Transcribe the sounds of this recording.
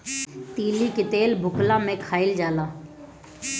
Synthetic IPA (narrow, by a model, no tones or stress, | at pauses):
t̪iːlikɪt̪eːlbʱʊklãːmẽkʰaːɪld͡ʒaːlaː